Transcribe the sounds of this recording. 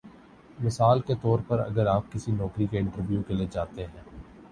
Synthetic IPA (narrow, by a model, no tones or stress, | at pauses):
mɪsaːlket̪ɔːɾpɐɾɐ̰ɡəɾaːp̚kɪsinɔːkɾikeɪ̃ɳʈəɾʋjukeled͡ʒaːt̪eɦɛ̃ː